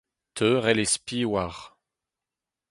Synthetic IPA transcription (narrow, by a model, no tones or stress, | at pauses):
t̪ʰøʁɛlespiwaʁ